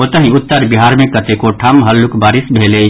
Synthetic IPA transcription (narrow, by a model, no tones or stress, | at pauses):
ot̪əɦĩʊt̪ːəɾbiɦaɾmẽkət̪ekoʈʰamɦəlːukbaːɾisbʱeːle